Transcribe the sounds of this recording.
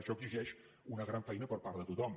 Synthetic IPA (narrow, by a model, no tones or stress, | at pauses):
ʃɔəɡziʒɛʃ | unəɣɾaɱfɛjnəpəɾpaɾt̪ət̪ut̪ɔm